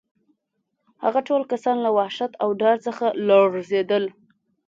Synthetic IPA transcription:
haɣaʈolkasɑnlawahʃat̪awɖɑɾt͡səxalɑzed̪əl

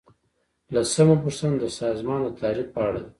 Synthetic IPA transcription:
lasəmapuɾsand̪əsɑzmɑnət̪ʰɑɾiq̚pəaɽad̪e

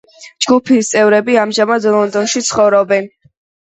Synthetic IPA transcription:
d͡ʒɡupʰist̪sʼɛvɾɛbiamʒamad̪lˠɔnd̪ɔnʃit̪sʰχɔvɾɔbɛn

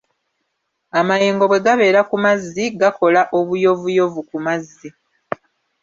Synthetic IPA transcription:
amajeːŋɡo̞βwe̞ɡaβe̞ːɾakumazːiɡako̞laʔo̞βujo̞vujo̞vukumazːi

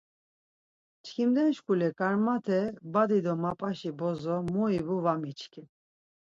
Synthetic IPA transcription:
t͡ʃʰkʰimd̪ɛnʃkʰʼulɛkʼaɾmat̪ʰɛbad̪id̪ɔmapʼaʃibɔzɔmɔibuvamit͡ʃʰkʰi

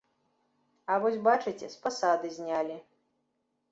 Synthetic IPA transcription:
avɔsʲbat͡ʂɨt͡sʲɛspɐsad̪ɨzʲnʲalʲi

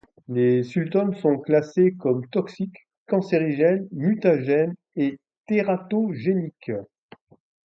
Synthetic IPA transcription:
lesylt̪ɔnsɔ̃klasekɔmt̪ɔksikː | ɑ̃seʁiʒɛnmyt̪aʒɛn | e | t̪eʁat̪oʒenik

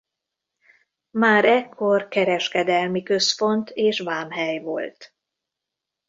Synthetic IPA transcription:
maːɾɛkʰːo̞rkɛɾɛʃkɛd̪ɛlmikø̞spo̞nt̪eːʃʋaːmɦɛjvo̞̰lt̪

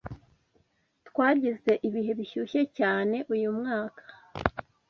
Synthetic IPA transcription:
tkwaːɟize̞ʔiβiɦe̞βiçuçecaːne̞ʔujumŋaːkʰḁ

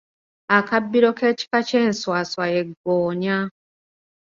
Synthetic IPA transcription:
akabːiɾɔkɛt͡ʃi̥kat͡ʃɛn̩swaswajɛɡɔːɲa

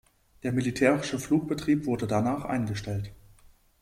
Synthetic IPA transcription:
d̥eːɐmilitʰɛːʁɪʃəfluːk̚b̥ətʁ̥iːpv̥ʊɐdədanaːχʔa̰ɪnɡəʃtɛlt

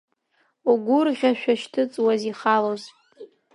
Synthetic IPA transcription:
uɡʷʊrʁʲaʃᶣaʃtʰɨt͡sʼwaziχaloz

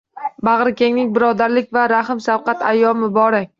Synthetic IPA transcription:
baʁɾɪkʲeŋnɪŋʲbɪɾɒd̪aɾlɪkʲvaɾaɦɪmsafqɑt̪ʰajːɒmɪbɒɾak̚ʲ

